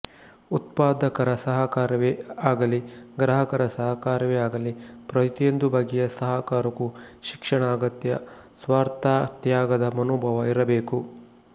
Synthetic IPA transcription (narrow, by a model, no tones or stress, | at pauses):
ut̪̚paːd̪ɐkɐɾɐsɐɦɐkaːɾɐʋeaːɡɐliɡɾɐɦɐkɐɾɐsɐɦɐkaːɾɐʋeaːɡɐlipɾɐt̪ijond̪ubʱɐɡijɐsɐɦɐkaːɾɐkuʃikʂɐɳaːɡɐt̪jɐsʋaːɾt̪aːt̪jaːɡɐd̪ɐmɐnoːbʱɐʋɐiɾɐbeːku